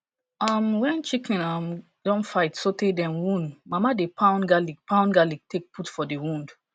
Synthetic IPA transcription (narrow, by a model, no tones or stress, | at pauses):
amwɛ̃nt͡ʃikĩnam | dɔ̃nfaɪtsotedɛ̃nwũndmamadepʰãʊ̃nɡaliɡpãʊ̃nɡaliɡ̚tʰek̚pʰutfɔdewũnd